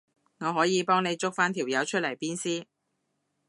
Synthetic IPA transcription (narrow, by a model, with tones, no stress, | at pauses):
ŋɔː˨˧ɦɔː˨˥jiː˨˧pɔː˥ŋne˨˧jt͡sʊ˥k̚faː˥nt̪ʰiː˨˩wjɐ˨˧wt͡ʃʰɵ˥t̚lɐ˨˩jpiː˥nsiː˥